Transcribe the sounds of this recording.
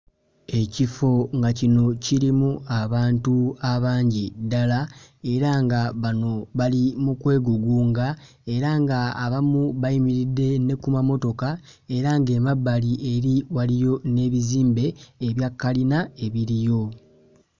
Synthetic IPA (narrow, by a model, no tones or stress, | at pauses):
e̞cifo̞ŋɡacino̞ciɾimuaβaːntuaβaːɲɟidalae̞ɾaŋɡaβano̞βalimukwe̞ːɡuɡuːŋɡa | e̞ɾaŋɡaːβamuβaimiɾidːe̞ne̞kumamo̞to̞ka | e̞ɾaŋɡe̞ːmabːaliʔeɾiwalijo̞ne̞ːβiziːmbe̞ːβjakːalinae̞βiɾijo̞